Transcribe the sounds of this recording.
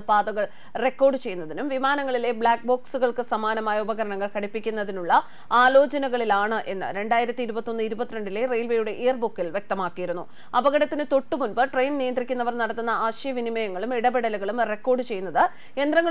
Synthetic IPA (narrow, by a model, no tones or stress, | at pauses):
paːd̪ɐɣɐɭ | re̞kːo̞ːrɖɨt͡ɕe̞jːunːɐðinumʋimaːnɐŋːɐɭile̞bɭaːk̚bo̞ːksuɣɐɭkɨsɐmaːnɐmaːjɐubɐɣɐɾɐɳɐŋːɐɭkɐɽipːikʲːunːɐðinuɭːɐ | aːlo̞ːt͡ɕɐnɐɣɐɭilaːɳɨʔe̞nːɨ̰ɾe̞ɳɖaːjiɾɐt̪ːiːɾubɐt̪ːo̞nːɨiɾubɐt̪ːiɾeɳɖile̞rejlʋejuɽe̞ʔeːɐrbukːilʋje̞k̚t̪ɐmaːkːijiɾunːu | ɐbɐɣɐɽɐt̪ːinɨt̪o̞ʈːumunbɨʈrejnnijɐnd̪rikʲːunːɐʋɐrnɐɽɐt̪ːunːɐʔaːɕɐjɐʋinimɐjɐŋːɐɭumiɽɐbeɽɐluɣɐɭumre̞kːo̞ːrɖɨt͡ɕe̞jːunːɐðɨ | e̞nd̪rɐŋːɐ